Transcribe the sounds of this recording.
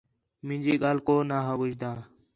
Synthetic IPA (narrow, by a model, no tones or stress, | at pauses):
mɪ̃nd͡ʒiːɡaːlkoːnaːɦəʋɪd͡ʒd̪ãː